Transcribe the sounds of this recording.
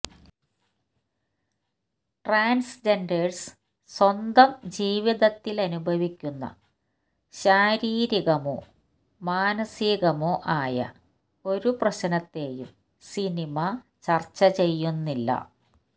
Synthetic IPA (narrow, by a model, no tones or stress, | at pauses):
ʈraːnsd͡ʑenɖers | swɐnd̪ɐmd͡ʑiːʋiðɐt̪ːilɐnubʱɐʋikʲːunːɐ̰ | ɕaːɾiːɾiɣɐmo̰ | maːnɐsiɣɐmoʔaːjɐ̰ | o̞ɾuprɐɕɐnɐt̪ːe̞ːjum | sinimɐ | t͡ɕɐrt͡ɕːɐt͡ɕe̞jːunːilːɐ̰